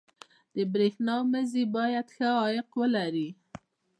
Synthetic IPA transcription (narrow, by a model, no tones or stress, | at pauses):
d̪̥əbɾexnɑməzibɑjad̪xəɑjɪqwəlaɾi